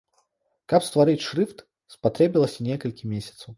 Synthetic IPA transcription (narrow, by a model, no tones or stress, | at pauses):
kɐpst̪vaɾɨtʲʂɾɨft̪ | spat̪ɾʲɛbʲilˠəsʲinʲɛkɐlʲkʲimʲesʲɐ̥t̪sɐw